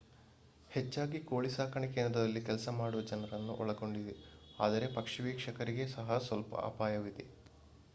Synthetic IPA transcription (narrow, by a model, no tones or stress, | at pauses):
het͡ʃːaːɡikoːɭisaːkʰɐɳike̞ːnd̪ɾɐd̪ɐlːikɛlsɐmaːɽuʋɐd͡ʒɐnɐɾɐnːuʔɔɭɐɡo̞ɳɖid̪eaːd̪ɐɾe̞pɐkʂɐʋiːkʂɐkɐɾiɡe̞sɐɦɐsʋɐlpɐ̰ɐ̰paːjɐʋid̪e